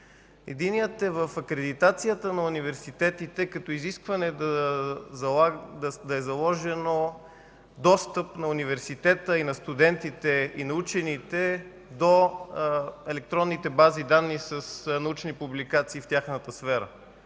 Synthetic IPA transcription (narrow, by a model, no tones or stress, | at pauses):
ɛ̰d̪iniət̪ɛvəfɐkɾɛd̪it̪at̪sijət̪ənɐunivɛɾsit̪ɛt̪it̪ɛkɐt̪ɔiziskvɐnɛ | d̪ɐɛzɐlˠɔʒɛno | d̪ɔst̪əpnɐunivɛɾsit̪ɛt̪əinɐst̪ud̪ɛnt̪it̪ɛinɐut͡ʃɛnit̪ɛ | d̪o | ɛlɛk̚t̪ɾɔnːit̪ɛbazid̪anːisəsnɐut͡ʃnipublikat̪siːft̪ʲjaxnət̪əsfɛɾə̰